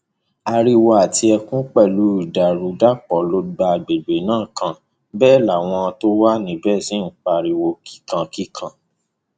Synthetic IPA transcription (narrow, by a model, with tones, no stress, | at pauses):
a˧ɾi˧wo˧a˨ti˧ɛ˧kũ˦k͡pɛ˦˨lu˨˦i˦˨da˨ɾu˨˦da˦k͡pɔ˨˦lo˦ɡ͡ba˧ɡ͡be˨be˨˦nãː˦˨kã˧ | bɛː˦˨la˨w̃ɔ̃˧ã˧to˦wa˦nĩ˨˦bɛ˦˨sĩ˨˦ŋ̩˨k͡pa˧˨ɾi˧wo˧ki̥˦kã˧ki˦kʰã˧